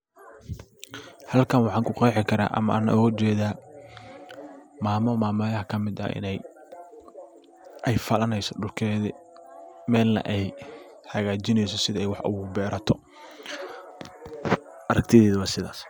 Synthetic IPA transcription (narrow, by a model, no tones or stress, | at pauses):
hɐlkʰɐnwɑħɑːŋkʰʊqɛjħɪkʰɐɾa̰ːʔɐ̰mɐʔa̰ːnʔɔt͡ʃɛːðaː | maːmɔmaːmɐjɐhɐkʰɐmɪd̪ɐ̰ʔɪ̰nɛj | ʔɛjfɐlɐnɛjsɔɖʊlkʰɛːðɪ | mɛːlnɐ̰ʔɛj | ħɐɣaːt͡ʃɪnɛjsɔsɪðɐɛjwɑħʔʊbɛːɾɐt̪ʰɔ | ʔɐɾɐk̚t̪ʰɪðɛːðɐwɑːsɪða̰ːs